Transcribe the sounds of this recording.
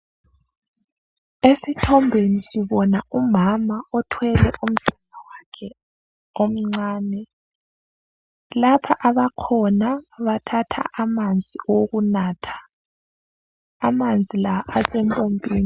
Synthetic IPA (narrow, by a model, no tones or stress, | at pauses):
esitʰɔmbʱenisiβɔnaumamaɔtʰwɛlɛʔum̩sɛnawakʰɛ | om̩ŋ͡ǀaːnɛ | lapʰaʔaβakʰɔnaβatʰatʰa̰ʔamand͡zʱioɣunaːtʰḁ | amand͡zʱilaʔasɛmpʼombʱʼeːni